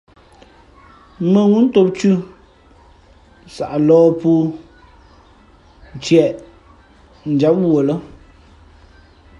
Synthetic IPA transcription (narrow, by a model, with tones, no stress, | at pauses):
mə˨ŋu˦n̩˦to˦p̚t͡ʃʉ˦ | sa̰˨ʔa˨lɔː˦pu˦ | n̩˨t͡ʃjɛ˨ʔ | n̩˨d͡ʒa˨˦p̚wo˨lə˦